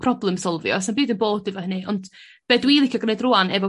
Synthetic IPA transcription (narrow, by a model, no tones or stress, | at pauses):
pʰrɔblˠɛmsɔlˠvjɔ̰sanbɨːdənboːdɨvɔhənɨʔɔnd | b̥ɛdwiːlˠikʰjɔɡnedrʊanɛvɔ